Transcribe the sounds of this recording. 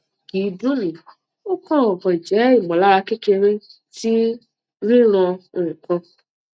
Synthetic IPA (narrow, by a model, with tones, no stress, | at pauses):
ɡ̥i˨˦do˦nĩ˨ | o˦kɔ̃˦˨ɔ˨vɔ̃˨d͡ʒɛ˨˦i˦˨mɔ̃˨la˦ɾa˧ke˦ke˧ɾe˦ | ti˦ | ɾĩ˦ɾ̃ɔ̃˧˨ũ˨kɔ̃˦